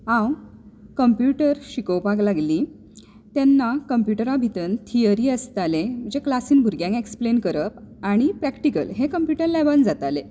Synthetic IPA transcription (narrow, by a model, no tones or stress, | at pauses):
ɦãwkəmpjuʈəɾɕikəwpaklaɡliː | t̪jɛnːakəmpjuʈəɾabʱit̪ənt̪ʰijəɾiːəst̪alem̤əd͡ʑeklasiːnbʱuɾɡjãŋkeksplenkəɾəpaɽ̃ipɾækʈikə̰lɦekəmpjuʈəɾlabənd͡zat̪ale